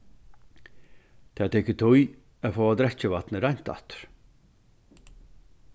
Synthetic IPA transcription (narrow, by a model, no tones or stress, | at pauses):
t̪ʰaːt̪ʰɛkət̪ʰʊj | æfɔːad̪ɾɛt͡ɕəvat̪nəɾajn̥t̪a̰t̪ɾ̥